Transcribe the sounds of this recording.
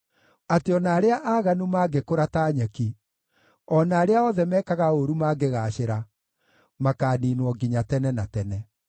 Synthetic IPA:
ateɔnaːɾeaʔaːɣanumaːɡekoɾataːɲaki | ɔnaːɾeaɔðɛmɛːkaɣaoɾumaːɡeɣaɕeɾa | makaːniːnwɔɡiɲatɛnɛnatɛnɛ

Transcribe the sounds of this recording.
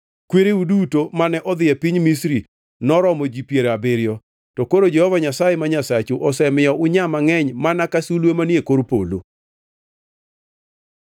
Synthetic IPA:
kweɾeudutomanɛʔɔd̪ɪɛpiɲmisɾi | nɔɾɔmɔd͡ʒipjeɾabɪɾjɔ | tɔkoɾod͡ʒɛhɔvaɲasajemaɲasat͡ʃuʔɔsɛmɪɔʔʊɲamaŋɛɲmanakasulwemanjekoɾpolo̰

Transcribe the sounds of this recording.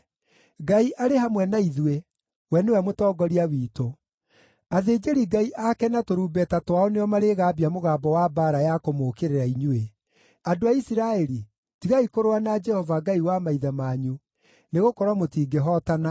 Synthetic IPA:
ɡaiʔaɾeɦamwɛnaiðwe | wɛnewɛmotɔːɡɔɾiawiːto | aðeːd͡ʒeɾiɡaiʔakɛnatoɾuːbɛtatwaɔneɔmaɾeɣaːbiamoɣaːbɔwabaːɾajakomokeɾeɾaiɲue | adoaisiɾaɛɾi | tiɣaikoɾoanad͡ʒɛhɔvaɡaiwamaiðamaɲu | neɣokɔɾwamotiːɡeɦɔtana

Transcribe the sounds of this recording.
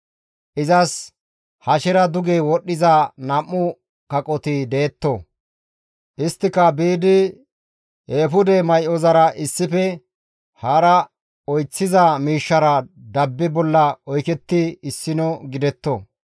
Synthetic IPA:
ʔɪzɐs | hɐʃɛɾɐd̪ʊɡeːwɔɗːɪzɐnɐmːʊ | kɐkʼɔt̪ɪd̪eːt̪ːɔ | ʔɪst̪ːɪkɐbiːd̪ɪ | eːfʊd̪ɛmɐjʔɔzɐɾɐʔɪsːɪfɛ | hɐɾɐ | ɔjt͡sːɪzɐmiːʃːɐɾɐd̪ɐbːɪbɔlːɐɔjkɛt̪ːɪɪsːɪnɔɡɪd̪ɛt̪ːo̰

